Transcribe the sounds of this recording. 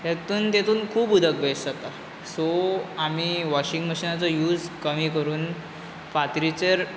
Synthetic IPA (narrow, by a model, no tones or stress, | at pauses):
jat̪uːnt̪et̪uːnkʰuːbud̪ʱəkbesd͡zat̪a | soamiːʋɔɕiŋɡməɕiːnat͡sɔjuːd͡zkəmikəɾuːn | fat̪ɾit͡ɕəɾ